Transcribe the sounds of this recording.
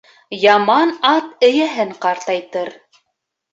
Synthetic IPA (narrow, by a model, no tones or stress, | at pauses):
jɑmɑnɑt̪ɘ̆jæɦɘŋqɑɾt̪ɑjt̪ɤɾ